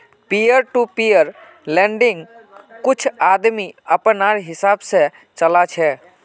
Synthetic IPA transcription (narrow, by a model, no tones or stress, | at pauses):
pijəɾʈupijəɾ | lẽɳɖɪŋɡkʊt͡ʃʰad̪miəpənaɾɦɪsabsẽ | t͡ʃəlat͡ʃʰɛ